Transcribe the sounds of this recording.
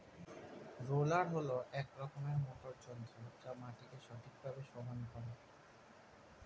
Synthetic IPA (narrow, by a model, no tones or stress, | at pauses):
ɾolaɾɦoloʔɛkɾɔkomeɾmoʈoɾd͡ʑɔnd̪ɾod͡ʑamaʈikeʃɔʈʰik̚bʱabeʃɔɦankɔɾe